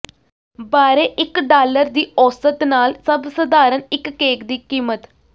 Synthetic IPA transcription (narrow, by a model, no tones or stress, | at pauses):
baːɾeːʔɪkɖaːləɾd̪iːɔːsət̪naːlsəbsəd̪aːɾənɪkːeːkd̪iːkiːmət̪